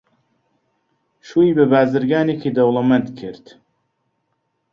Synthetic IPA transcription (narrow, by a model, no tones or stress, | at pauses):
ʃuːiːbɨbaːzɨɾɡaːneːkʰid̪ɐwlˠɐmɐnt̪kʰɪɾt̪